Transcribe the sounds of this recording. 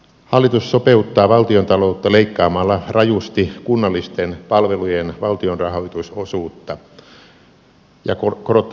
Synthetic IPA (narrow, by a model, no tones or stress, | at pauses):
hɑlːit̪ussopeut̪ːɑːʋɑlt̪iont̪ɑlout̪ːɑleikːɑːmɑlːɑrɑjust̪ikunːɑlːist̪enpɑlʋelujenʋɑlt̪ionrɑhoit̪usosuːt̪ːɑ | jɑ̰kokorot̪ː